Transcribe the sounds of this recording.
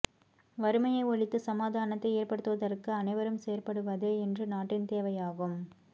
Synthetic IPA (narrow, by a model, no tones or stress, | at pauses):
ʋɐɾɯmɐjɐɪɔɭɪt̪ːɯsɐmaːd̪aːnɐt̪ːɐɪeːrpɐɽɯt̪ːɯʋɐðɐɾkɯɐnɐɪʋɐɾɯmseːɾpɐɽɯʋɐðeːɛndrɯnaːʈːɪnt̪eːʋɐjaːɣɯm